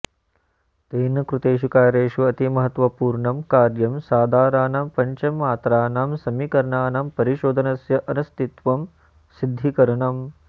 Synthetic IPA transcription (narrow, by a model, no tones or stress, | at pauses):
t̪eːnɐkɾut̪eːʃ̬ukaːɾeːʃuɐt̪imɐɦɐt̪ʋɐpuːɾɳɐmkaːɾjɐmsaːd̪ʱaːɾaːnaːmpɐɲt͡ʃɐmːaːt̪ɾaːnaːmsɐmikɐɾɐɳaːnɐmpɐɾiʃoːd̪ʱɐnɐsjɐʔɐnɐst̪it̪ʋɐm | sid̪ʱːikɐɾɐɳɐm